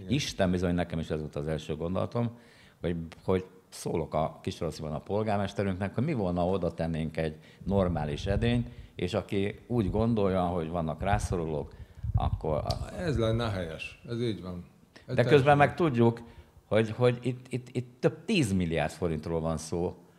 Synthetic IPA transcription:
iʃt̪ɛmbizo̞ɲnɛkɛmiʃɛzʋolt̪ɒzɛlʃøːɡond̪o̞̰lɒ̰t̪o̞m | ho̞ɟho̞ɟ | soːlo̞kɒkiʃoɾosibɒnɒpo̞lɡaːrmɛʃt̪ɛɾyŋknɛkhoɟmivo̞lnɒo̞d̪ɒt̪ɛnːeːŋkɛɟ | no̞rmaːliʃɛd̪eːɲeːʃɒkiuːɟɡo̞nd̪o̞jːɒɦo̞ɟvɒnːɒkraːso̞ɾoloːkɒ̰kːo̰r̰ɛzlɛnːɛɦɛjɛʃɛziːɟʋɒn | d̪ɛkøzbɛmːɛk̚t̪uɟːukho̞ɟho̞ɟit̪ːit̪ːit̪ːøb̥̚t̪iːzmilːija̰ːrt̪fo̞ɾint̪roːlvɒnsoː

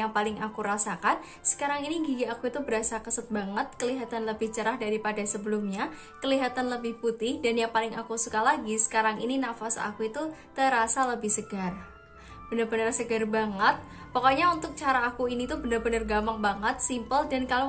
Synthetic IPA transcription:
aŋpalɪŋakuɾasakan | sə̥kaɾaŋiniɡiɡiakuit̪ubəɾasakəsət̪̚baŋət̪̚kəliɦat̪anləbɪht͡ʃəɾahdaɾipadasəbəlʊmɲa | kəliɦat̪anləbɪhput̪ɪhdanjaŋpalɪŋʔakusukalaɡisə̥kaɾaŋininafasa̰kuit̪ut̪əɾasaləbɪhsəɡ̥ar | b̥ənərbənərsəɡarbaŋət̪̚ | pɔkoɲaunt̪ʊk̚t͡ʃaɾaːkuinit̪ubənərbənərɡamaŋbaŋət̪̚simpəldankalo

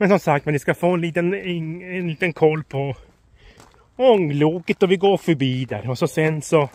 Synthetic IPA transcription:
mɛnsɔmsakt̪mɛndɪskafoːɛnliːt̪ənɪɛnliːt̪ənkʰɔlːpʰɔ | ɔŋluːkɪt̪ɔvɪɡoːɾfœɾbiːd̪æ̰ɾɔsɔsɛnsɔ

